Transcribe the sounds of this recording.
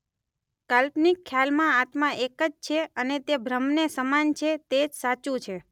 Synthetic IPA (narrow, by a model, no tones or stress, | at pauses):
kalpnikʰːjalmãat̪mãʔekəd͡ʒt͡ʃʰeənet̪ebʱɾəmnesəmant͡ʃʰet̪ed͡ʒsat͡ʃũt͡ʃʰe